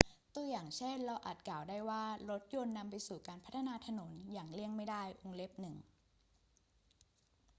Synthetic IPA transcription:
t̪u˧ɐjaː˨˩ŋt͡ɕʰe˥˩nɾa˧wʔa˨˩t̪̚klaː˨˩wdaː˥˩jwaː˥˩ɾo˦˥t̪̚jo˧nːa˧mpa˧jsuː˨˩kaː˧npʰa˦˥t̪ʰːa˧naː˧t̪ʰa˧no˩˦njaː˨˩ŋli˥˩əŋma˥˩jdaː˥˩jʔo˧ŋle˦˥p̚nɯ˨˩ŋ

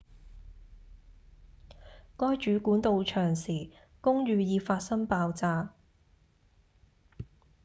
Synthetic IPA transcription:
kɔː˥jt͡ʃyː˨˥kuː˨˥nt̪o˧wt͡ʃʰœː˨˩ŋsiː˨˩ | kʊ˥ŋɥyː˨˧jiː˨˧faː˧t̚sɐ˥ŋpaː˧wt͡saː˧

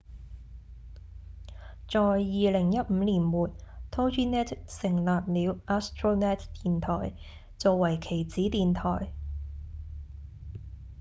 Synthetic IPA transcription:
t͡sɔː˨jːiː˨lɪ˨˩ŋjɐ˥t̚m̩ː˨˧liː˨˩nwuː˨t̪̚t̪ʰo˥wt͡ʃiː˥nɛː˥t̪sɪ˨˩ŋlaː˨p̚liː˨˧wʔaː˥st̪ɹoː˥nɛ˥tt̪iː˨nt̪ʰɔː˨˩j | t͡soː˨˩wɐ˨˩jkʰe˨˩jt͡siː˨˥t̪iː˨nt̪ʰɔː˨˩j

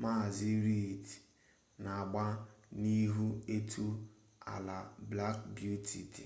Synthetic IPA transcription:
ma˦˨zi˦ɾi˦˨ti̥˨ | na˨a˨ɡ͡ba˦ni˦ɦu˦e˦tʰu˦ | a̰˨la˨bla˦kbju˦tʰi˨t

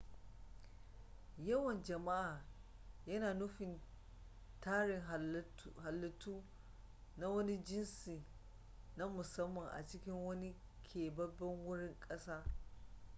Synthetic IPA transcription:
jɐ˦wɐ˨nd͡ʒɐ˨ma˦ʔaː˨jɐ˦naː˨nʊ˦ɸɪ˨n | taː˦ɽɪ˨ŋ˨˦ɦa˨lːɐ˦tuː˦ | na˦wɐ˦ni˦d͡ʒɪ˦nsiː˨ | na˦mʊ˨sɐ˦mːɐ˨ŋʔa̰˨t͡ʃɪ˦kʲɪ˦ŋwɐ˦ni˦ | kʲʰeː˨bɐ˦bɛ˦ŋwʊ˦ɽɪ˦ŋkʼɐ˦saː˦

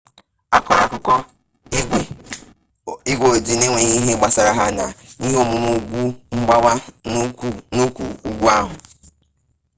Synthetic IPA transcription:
a˦kɔ˨ɾa˨kʊ˦kɔ˦ | e˦ɡʷe˦ | i˦ɡʷo˨d͡ʒi˨ne˦ŋʷe˨ɲi˦ɦe˦ɡ͡ba˦sa˨ɾa˦ɦa˦na˨ni˦ɦo˦mʊ˨mo˦ɡʷu˦ŋ͡m̩˦ɡ͡ba˦wa˦˨ | nu˦kʷṵ˨u˦ɡʷu˦a˦ɦʊ˨

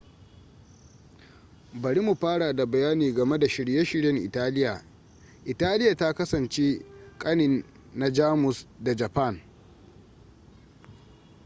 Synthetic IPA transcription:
bɐ˨ɽi˦mu˨ɸaː˦ɽa˨da˨bɐ˨jaː˦niː˨ɡɐ˨me˦da˨ʃɪ˨ɽje˦ʃɪ˦ɾjɐ˦ŋʔɪ̰˨taː˦lɪ˦jaː˨ | ʔɪ˨taː˦lɪ˦ja˨ta˦kɐ˦sɐ˨nt͡ʃe˦kʼɐ˦nɪ˨nː | a˦d͡ʒaː˦mʊ˨sda˨d͡ʒɐ˨pɐ˦˨n

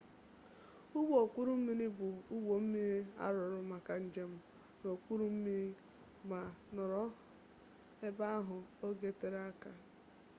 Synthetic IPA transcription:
ʊ˦ɡ͡bo˦o˨kʷu˦ɾu˦m̩˦mi˦ɾi˦bʊ˨u˦ɡo˨m̩˦mi˦ɾi˦a̰˦ɾʊ˨ɾʊ˦ma˨ka˨n̩˦d͡ʒe˦m̩˨ | no˨kʷu˦ɾu˦m̩˦mi˦ɾi˦ | ma˨nʊ˨ɾɔ˦ | e˦ba˦a˦ɦʊ˨o˦ɡe˦te˦ɾa˦ka˨

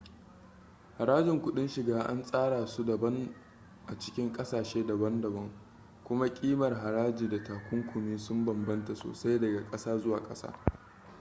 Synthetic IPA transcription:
ha˨ɾaː˦d͡ʒɪ˨ŋkʷʊ˦ɗɪ˦nʃɪ˨ɡaː˦ʔa̰˦nsʼaː˦ɽaː˨su˦dɐ˨bɐ˦ŋ | ʔa˨t͡ʃɪ̥˦kʲɪ˦ŋkʼɐ˦saː˨ʃeː˦dɐ˨bɐ˦ndɐ˨bɐ˦ŋ | kʷʊ˦ma˦kʲʼiː˦mɐ˨rɦa˨ɽaː˦d͡ʒiː˨da˨taː˨kʷʊ˦ŋkʷʰʊ˨miː˦sʊ˦mbɐ˨mbɐ˦nta˨so̰ː˨sa˦jdɐ˨ɡa˨kʼɐ˦saː˦zʊ˦waː˨kʼɐ̰˦sa̰ː˦

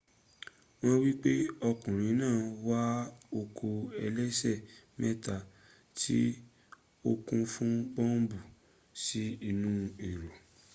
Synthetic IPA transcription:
w̃ɔ̃˦wi˦k͡pe˦ɔ˧kũ˨ɾ̃ĩ˨˦nãː˦˨wa˦o˧kʰo˧ɛ˧lɛ˦sɛ˦˨mɛ˦ta˧ | tʰi˦ | o˦kũ˧fũ˦ɡ͡bɔ̃˦m˦bu˨ | si˦i˧˨nũ˦i˨ɾo˨

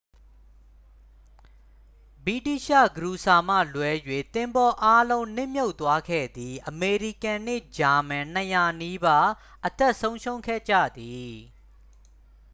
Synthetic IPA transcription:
bi˦˨ti˦˨ʃä̰˦˨ɡəɾu˨sa˨m̥ä̰˦˨lwɛ˦jwe˨t̪ɪ̃˨mbɔ˦ʔa˦lõ˦ʊ̃n̥ɪ̰̃˦˨mjo˦ʊt̪ːwa˦ɡʰɛ̰˦˨d̪ði˨ʔəme˨ɹi˦˨kã˨n̥ɪ̰˦˨d͡ʑa˨mã˨n̥əja˨ni˦ba˦ | ʔət̪ɛ˦˨ʔsõ˦ʊ̃ʃõ˦ʊ̃kʰɛ̰˦˨d͡ʑä̰˦˨d̪i˨

